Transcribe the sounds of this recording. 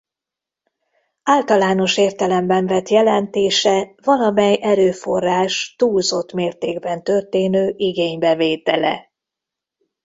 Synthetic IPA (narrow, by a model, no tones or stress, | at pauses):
aːlt̪ɒlaːno̞ʃeːrt̪ɛlɛmbɛɱvɛt̪jɛlɛnt̪eːʃɛvɒlɒmɛjʔɛɾøːfo̞rːaːʃt̪uːlzot̪meːrt̪eːɡbɛnt̪ø̞rt̪eːnøːʔiɡeːɲbɛveːt̪ɛlɛ̰